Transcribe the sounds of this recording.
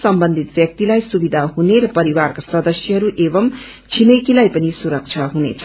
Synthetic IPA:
sʌmbʌnd̪ʱit̪̚bjʌk̚t̪ilajsubid̪ʱaɦuneɾʌpʌɾiwarkasʌd̪ʌsjʌɦʌɾuʔebʌm | t͡sʰinʌjkilajpʌnisuɾʌk̚t͡sʰʌɦunḛt͡sʰʌ

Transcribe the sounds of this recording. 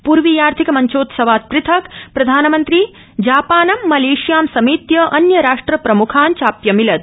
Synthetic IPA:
puɾʋijaːɾt̪ʰikɐmɐɲt͡ʃoːt̪sɐʋaːt̪̚pɾɪt̪ʰɐkpɾɐd̪ʱaːnɐmɐnt̪ɾi | d͡ʒaːpaːnɐmːɐleːʃjaːmsɐmiːt̪jɐʔɐnjɐɾaːʂʈɾɐpɾɐmukʰaːnt͡ʃaːpjɐmilɐd̪̚

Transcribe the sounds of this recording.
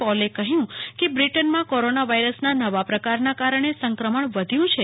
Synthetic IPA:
pɔlekəɦjũkebɾiʈənmãkoɾonaʋaiɾəsnanəʋapɾəkaɾnakaɾəɳ̃esəŋkɾəməɳʋəd̪ʱjũt͡ʃʰe

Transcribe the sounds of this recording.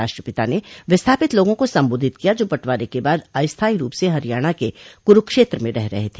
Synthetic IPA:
aːʃʈɾəpɪt̪aneʋɪst̪ʰaːpɪt̪loːɡõkosɐ̃mboːd̪ʱɪt̪kijad͡ʒoːbɐʈʋaːɾekebaːd̪aːjst̪ʰaːiɾuːpseɦɐɾijaːɽ̃akekʊɾʊkʃeːt̪ɾəmẽɾɛɦɾɐ̰ɦet̪ʰeː

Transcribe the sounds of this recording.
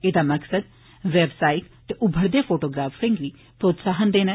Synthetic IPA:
eːd̪aːməksəd̪ | ʋɛːbsaːɪʈ | t̪eːʔʊbʱəɾd̪eːpʰoːʈoːɡɾaːfɾɪ̃ŋɡliː | pɾoːt̪saːɦənd̪eːnɛ̃ː

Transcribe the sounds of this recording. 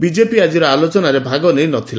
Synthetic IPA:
bid͡ʒepiad͡ʒiɾɔalot͡ʃɔnaɾebʱaɡɔnejnɔt̪ʰila

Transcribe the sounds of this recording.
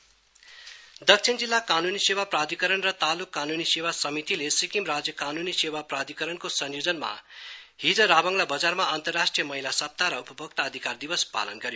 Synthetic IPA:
d̪ʌk̚t͡ʃʰind͡zilːakanunisewaprad̪ʱikʌɾʌnrʌt̪alukːanunisewasʌmit̪ilesikimrad͡zjʌkanunisewaprad̪ʱikʌɾʌnkosʌnjod͡zʌnma̰ɦid͡zʌɾabʌŋɡlabʌd͡zarmaant̪ʌrːasʈrijʌmʌɦilasʌp̚t̪aɾʌupʌbʌk̚t̪aːd̪ʱikard̪ibʌspa̰lʌnɡʌɾjo

